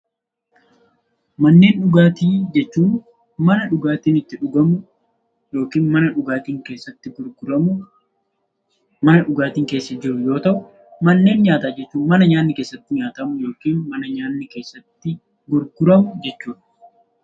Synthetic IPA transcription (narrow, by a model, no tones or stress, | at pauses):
mɐnːe̞ːnᶑʊɡaːt̪iːd͡ʒɛt͡ʃːuːn | mɐnɐᶑʊɡaːt̪iːnɪt̪ːɪᶑʊɡɐmʊ | jo̞ːkiːnmɐnɐᶑʊɡaːt̪iːŋke̞ːsːɐt̪ːɪɡʊɾɡʊɾɐmʊ | mɐnɐᶑʊɡaːt̪iːŋke̞ːsːɐd͡ʒɪɾʊjo̞ːt̪ɐʔʊ | mɐnːe̞ːnɲaːt̪aːd͡ʒɛt͡ʃːuːnmɐnɐɲaːnːɪkeːsːɐt̪ːɪɲaːt̪ɐmʊjo̞ːkiːnmɐnɐɲaːnːɪkeːsːɐt̪ːɪ | ɡʊɾɡʊɾɐmʊd͡ʒɛt͡ʃːuːᶑɐ̥